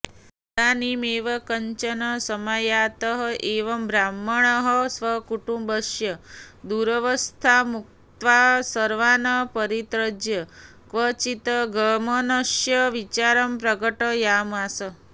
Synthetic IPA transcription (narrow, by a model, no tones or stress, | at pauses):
d̪animeʋəkəɲt͡ʃənəsəmajat̪əɦəʔeʋəmbɾamːəɳəɦəsʋəkuʈũmbəʃjəd̪uɾəʋəst̪ʰamuk̚ | t̪ʋaɦsəɾʋanəpəɾit̪ɾəd͡ʒjə | kʋət͡ʃit̪əɡʱəmənəʃjəʋit͡ʃaɾəmpɾəɡəʈəjamasə